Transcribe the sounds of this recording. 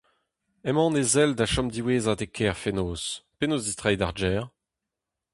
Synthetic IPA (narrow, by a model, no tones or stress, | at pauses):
ɛmɑ̃ːnezɛldaʃɔmd̪iweːzad̪ekʰɛːʁfenoːspenoːzd̪ist̪ʁajd̪aʁd͡ʒɛːʁ